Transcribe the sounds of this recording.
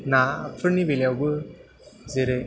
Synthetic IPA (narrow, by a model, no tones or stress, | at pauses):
napʰɯɾnibeljawbɯ | zeɾɯ